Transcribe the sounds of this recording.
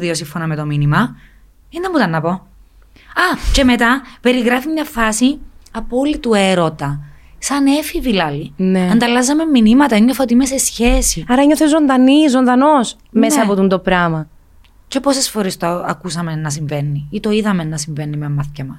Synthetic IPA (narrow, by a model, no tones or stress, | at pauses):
ðiosiɱfonɐmet̪o̞minimɐ | ind̪ɐmːut̪ɐnːɐpo̞ | ɐce̞me̞t̪ɐpe̞ɾiɣɾɐfimɲɐfɐsiɐpo̞lit̪ue̞ɾo̞t̪ɐsɐne̞fivilɐlineɐnd̪ɐlɐzːɐme̞mːinimɐt̪ɐeŋɡɾefɐot̪imese̞sçe̞siɐɾɐɲoθezːo̞nd̪ɐnizo̞nd̪ɐno̞s | messɐːpot̪und̪o̞pɾɐmɐ | ce̞posesfoɾest̪oɐ̰kusɐmenːɐsiɱvenːiit̪o̞iðɐmenːɐsiɱvenːimemːɐθcɐmɐs